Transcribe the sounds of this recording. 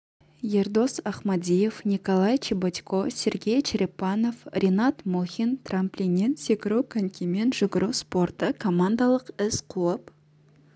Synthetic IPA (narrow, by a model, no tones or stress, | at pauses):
jerd̪o̞sɑχmad̪ʲije̞fnʲikolˠajt͡ʃʰibot̪ʲkʰosʲe̞ɾɡʲe̞jt͡ʃɪɾʲepːɑno̞frʲenat̪moxʲint̪ramplʲinʲensekʲɪɾuwkʲʰɪŋkʲʰime̞nʒʊɡɪɾuwspo̞rt̪əkʰo̞mand̪alˠəqɪsqʰuəp